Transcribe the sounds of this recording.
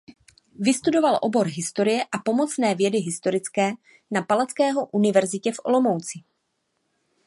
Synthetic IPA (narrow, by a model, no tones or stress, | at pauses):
vɪst̪udo̞valʔo̞̰bo̞ɾɦɪst̪o̞ɾɪjɛʔapo̞mo̞t͡snɛːvjɛdɪɦɪst̪o̞ɾɪt͡skɛː | napalat͡skɛːɦo̞ʔunɪvɛɾzɪcɛfʔo̞̰lo̞mo̞wt͡sɪ